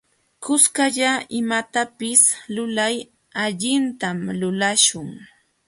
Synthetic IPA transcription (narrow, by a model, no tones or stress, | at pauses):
kʊskaʎaɪmat̪apɪslʊlaj | aʎɪnt̪amlʊlaʃʊŋ